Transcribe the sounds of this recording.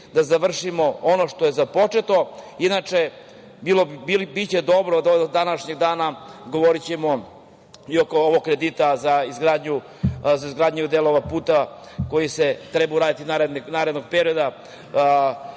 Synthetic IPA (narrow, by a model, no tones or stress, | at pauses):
d̪azaʋr̩ʃimo̞ono̞ʃt̪oje̞zapo̞t͡ʂet̪o̞inat͡ʂe | bilobbibit͡ɕed̪o̞bɾod̪od̪anaʃɲe̞ɡd̪aːnaɡo̞ʋo̞ɾit͡ɕe̞mo̞ | io̞kooʋo̞ɡkːɾe̞d̪it̪azaizɡɾaːd̪ɲu | zaizɡɾaːd̪ɲud̪e̞lˠo̞ʋapuːt̪ako̞jiset̪ɾebauɾaːd̪it̪inaɾed̪nnaːɾed̪no̞ɡ̚pe̞ɾio̞d̪a